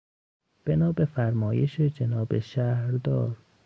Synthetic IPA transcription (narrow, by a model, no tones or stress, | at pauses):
b̥enɒːbefæɾmɒːjeʃed͡ʒenɒːbeʃæhɾd̪ɒːɾ